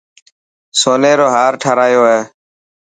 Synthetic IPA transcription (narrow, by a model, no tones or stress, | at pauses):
soːnẽːɾoːɦaːɾʈʰaɾaːjoːɦeː